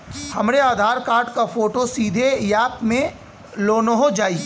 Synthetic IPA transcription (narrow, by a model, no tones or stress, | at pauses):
hɐmɾeaːd̪ʱaːɾkaːɾʈkafoːʈosiːd̪ʱejaːpmẽ | loːnoɦod͡ʒaːiː